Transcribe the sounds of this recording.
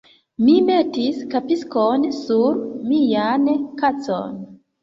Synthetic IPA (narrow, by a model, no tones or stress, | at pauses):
mimetiskapiskonsuɾmijankat͡so̰n